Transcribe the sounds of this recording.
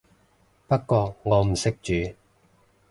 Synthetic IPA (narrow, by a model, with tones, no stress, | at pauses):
pɐ˥kkːɔː˧k̚ŋɔː˨˧m̩˨˩sɪ˥k̚t͡ʃyː˨˧